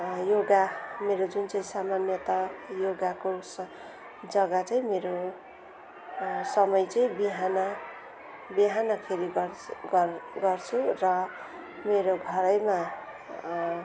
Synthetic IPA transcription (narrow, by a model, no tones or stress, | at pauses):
joɡameɾod͡zunt͡sʌĩsamanjʌt̪ʌjoɡakos | d͡zʌɡat͡sʌĩmeɾo | sʌmʌjt͡sʌĩbiɦanʌ | biɦanʌkʰeɾiɡɡɡʌrt͡sʰurʌ | meɾoɡʱʌɾʌjma